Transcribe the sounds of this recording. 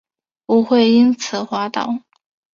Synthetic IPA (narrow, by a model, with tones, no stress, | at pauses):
pu˧˥xwe˥˩ɪi˥nt͡sʰɹ̩˨˩˦xwa˧˥t̪ɑ̰˨˩˦ʊ